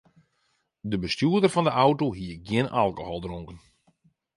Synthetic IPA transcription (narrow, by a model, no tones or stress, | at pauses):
dəbəstuədərfɑndəʔawtoɦiəɡjɪnʔalˠkohɔlˠdroŋkən